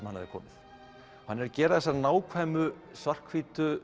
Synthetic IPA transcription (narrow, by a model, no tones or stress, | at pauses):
mhanːa̰ðɪkʰɔ̰ːmɪθ | hanːɛɾcɛːɾaðɛs̬ːanaːwkʰvaːjmʏ | svar̥kʰviːt̪ʏ